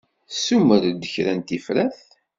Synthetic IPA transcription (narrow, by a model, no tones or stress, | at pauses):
suməɾd̪əçɾænt̪ifɾæθ